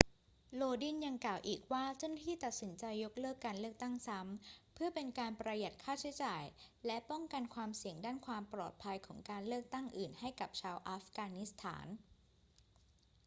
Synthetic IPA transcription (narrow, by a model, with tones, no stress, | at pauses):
loː˧di˥˩nja˧ŋklaː˨˩wʔiː˨˩k̚waː˥˩t͡ɕa˥˩na˥t̪ʰiː˥˩t̪a˨˩t̪̚si˩˦nt͡ɕa˧jːo˦˥k̚lɤː˥˩kːaː˧nlɯ˥˩ək̚t̪a˥˩ŋsa˦˥mpʰɯ˥˩ɐpe˧nkaː˧npɾa˧ja˨˩t̪̚kʰaː˥˩t͡ɕʰi˦jt͡ɕaː˨˩jlɛ˦˥pɔ˥˩ŋka˧nkʰwaː˧msi˨˩əŋdaː˥˩nkʰwaː˧mplɔː˨˩t̪̚pʰa˧jkʰɔː˩˦ŋkaː˧nlɯ˥˩ək̚t̪a˥˩ŋʔɯː˨˩nha˥˩jka˨˩p̚t͡ɕʰaː˧wʔaː˦˥fkaː˧ni˦˥st̪ʰa̰ː˩˦n